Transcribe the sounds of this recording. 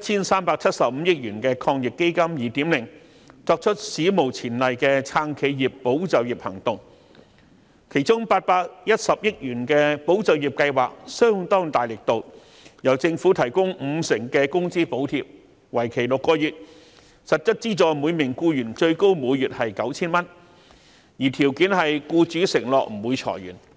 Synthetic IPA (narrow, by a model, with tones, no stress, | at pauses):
t̚t͡sʰiː˥nsaː˥mpaː˧k̚t͡sʰɐ˥t̚sɐ˨p̚m̩˨˧jɪ˥k̚jyː˨˩nkɛː˧kʰɔː˧ŋjɪ˨k̚kːe˥jkɐ˥mjiː˨t̪iː˨˥mlɪ˨˩ŋ | t͡sɔː˧k̚t͡ʃʰɵ˥t̚siː˨˥mo˨˩wt͡sʰiː˨˩nlɐ˨jkɛː˧t͡sʰaː˥ŋkʰe˨˧jjiː˨pːo˨˥wt͡sɐ˨˧wjiː˨˩p̚hɐ̰˨˩ŋt̪ʊ˨ŋ | kʰe˨˩jt͡sʊ˥ŋpaː˧t̚paː˧k̚jɐ˥t̚sɐ˨p̚jɪ˥k̚jyː˨˩nkɛː˧po˨˥wt͡sɐ˨wjiː˨p̚kɐ˧jwaː˨k̚sœː˥ŋt̪ɔː˥ŋt̪aː˨˩jlɪ˨k̚t̪o˨w | jɐ˨˩wt͡sɪ˧ŋfuː˨˥t̪ʰɐ˨˩jkʊ˥ŋm̩˨˧sɪ˨˩ŋkɛː˧kʊ˥ŋsiː˥po˨˥wt̪ʰi˧p̚ | wɐ˨˩jkʰe˨˩jlʊ˨kːɔː˧jyː˨t̚ | sɐ˨t̚t͡ʃɵ˥t̚t͡siː˥t͡sɔː˨jmuː˨˧jmɪ˨˩ŋkuː˧jyː˨˩nt͡ʃɵ˧ɥko˥wmuː˨˧jjyː˨t̚hɐ˨jkɐ˨˥wt͡sʰiː˥nmɐ˥n | jiː˨˩t̪ʰiː˨˩wkiː˨˥nhɐ˨jkuː˧t͡ʃyː˨˥sɪ˨˩ŋlɔː˨k̚m̩˨˩muː˨˧jt͡sʰɔ̰˨˩jɥyː˨˩n